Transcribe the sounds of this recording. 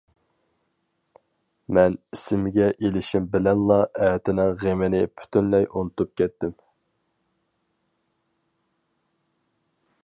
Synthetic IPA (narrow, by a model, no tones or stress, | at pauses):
mɛnisɪmɡʲɛʔelɪʃimbɪlɛnlˠɑɛːt̪ʰɪnɪŋʁemɪnɪpʰy̥t̪ʰynlɛjʔunɨt̪up̚kʲɛt̪ːɪm